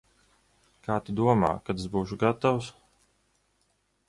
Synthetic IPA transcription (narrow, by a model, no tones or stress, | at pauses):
kaːt̪id̪uɔma̰ːkat̪asbuːʃuɡat̪aws